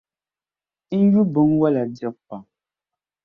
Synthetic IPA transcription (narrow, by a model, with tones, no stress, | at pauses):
n̩˦ju˦bɨ˨˦ŋwa˦la˨dɛ˦k̚pa˨ŋ